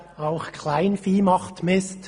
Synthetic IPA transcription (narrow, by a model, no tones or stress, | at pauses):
aʊχkʰlaɪnfiːmɑχtmɪst